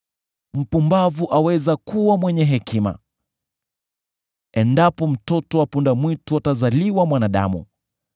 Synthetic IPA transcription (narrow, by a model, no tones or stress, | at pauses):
m̩pumbavuʔawɛzakuwamwɛɲɛɦɛkima̰ | ɛndapɔm̩tɔtɔwapundamwituatazaliwamwanaɗa̰mṵ